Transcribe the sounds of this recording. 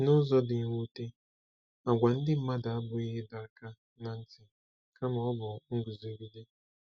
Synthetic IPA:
nʊ˦zɔ˦dɪ˨ɲ˦wu˦te˦ | a˨ɡʷa˨n̩˦dɪ˦m̩˦ma˦da˨a˦bʊ˨i˦ɦɪ˦da˨ka˦ | na˨n̩˦tɪ˨ | ka˦mɔ˦ɔ˦bʊ˨ŋ̩˦ɡʊ˨ze˨˦bi˦de˦

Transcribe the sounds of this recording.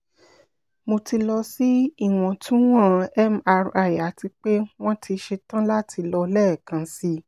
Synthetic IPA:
mo˧ti˧lɔ˧si˦i˦˨w̃ɔ̃˨tʰũ˦w̃ɔ̃˦˨˧ɛ˦ma˧ɾa˨ja˨˦ti˧k͡pe˦w̃ɔ̃˦tʰi˧ʃe˧tã˦la˦tʰi˧lɔ˧lɛ˦˨kã˨˧si˧˦

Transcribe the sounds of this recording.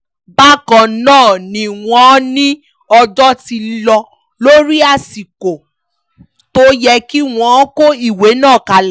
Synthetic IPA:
ba˦kã˨nãː˦˨nĩ˧w̃ɔ̃˦nĩ˦ | ɔ˧d͡ʒɔ˦ti˧lɔ˧ | lo˦ɾi˦a˦˨si˨ko˨ | to˦jɛ˧ki˦w̃ɔ̃˧˦ko˦i˦˨we˨˦nãː˦˨ka˨l

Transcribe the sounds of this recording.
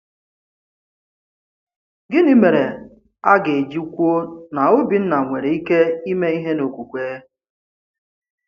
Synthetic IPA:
ɡɪ˦ni˦me˨ɾe˨ | a˦ɡe˨e˨d͡ʒi˦kʷu˦o˦na˨o˦bi˨n̩˦na˨ŋʷe˨ɾe˨i˦ke˦i˦me˦i˦ɦe˦no˨kʷu˨kʷeː˦

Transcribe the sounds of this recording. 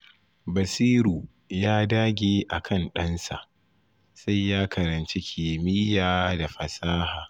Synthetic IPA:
bɐ˨siː˦ɾuː˨ | jaː˦daː˦ɡʲeː˨ʔa˨kʰɐ˦˨nɗɐ˦nsa̰˨ʔ | sa˦jːaː˦kɐ˨ɾɐ˨nt͡ʃe˦kʲʰiː˨mɪ˦jaː˨da˨ɸɐ˨saː˦haː˨

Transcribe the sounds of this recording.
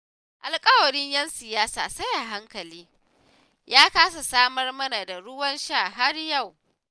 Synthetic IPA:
ʔa˨lkʼɐ˦wɐ˨ɽɪ˦ɲjɐ˦nsɪ˨jaː˦sa̰ː˨sɐ˦ja˨ɦa˦ŋkɐ˨liː˦ | jaː˦kaː˦s̬a˨saː˦mɐ˦rmɐ˦na˨da˨ɽʊ˦wɐ˦nʃaː˦˨ɦa˦rja˦˨w

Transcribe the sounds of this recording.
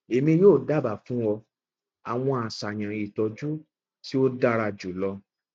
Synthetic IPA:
e˨mĩ˧joː˦˨da˦˨ba˨fũ˦wɔ˧ | a˨w̃ɔ̃˧a˨sa˨j̃ã˨i˨tɔ˧d͡ʒu˦ | ti˦o˦da˦ɾa˧d͡ʒu˨lɔ˧

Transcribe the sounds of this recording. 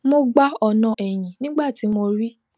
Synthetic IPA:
mo˧ɡ͡ba˦ɔ˧nã˧ʔɛ˨j̃ĩ˨nĩ˦ɡ͡ba˦˨ti˨˦mo˧ɾi˦

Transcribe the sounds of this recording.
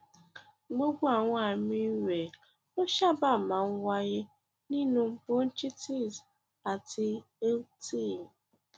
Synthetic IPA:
ɡ͡bo˦ɡʷu˦a˨ŋʷ˦a˨mi˦wʷe˨ | ʊ˦ʃa˦ba˦˨ma˨ŋ̩˦ɡʷa˦ɣɪ˦ | ni˦nu˨m̩˦po˦n̩˦t͡ʃi˦ti˦z | a˨tɪ˦ | o˦ti˦˨m̩˨

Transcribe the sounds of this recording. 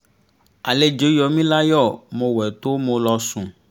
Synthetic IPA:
a˨le˨d͡ʒe˨˦jɔ˨˦mĩ˦la˦jɔ˦˨mõ˧wɛ˨t̪o˦mõ˨˧lɔ˧sũ˨

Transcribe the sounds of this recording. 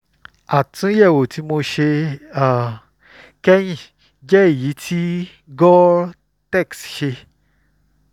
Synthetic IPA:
a˨tũ˦jɛ˦˨wo˨ti˨˦mo˧ʃe˧a˦˨ | kɛ˦j̃ĩ˦˨ | d͡ʒɛ˦i˦˨ji˨˦tʰi˦ | ɡɔ˦ | tɛ˦˨ksʃe˧

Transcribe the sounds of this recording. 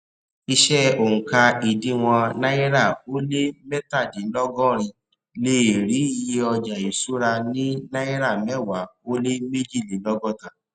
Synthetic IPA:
i˧ʃɛ˦o˨ŋũ˨ka˧i˨dĩ˨˦w̃ɔ̃˧nã˦ɛ˦ɾa˦˨o˦le˦mɛ˦ta˦˨di˨˦lɔ˦ɡɔ̃˦ɾ̃ĩ˧ | le˦˨ɾi˨˦i˧je˧˦ɔ˧d͡ʒa˨i˨su˦ɾa˧nĩ˦nã˦e˦ɾa˦˨mɛ˦˨wa˨˦o˦le˦me˦d͡ʒi˦˨li˨˦lɔ˦ɡɔ̃˦tã˨

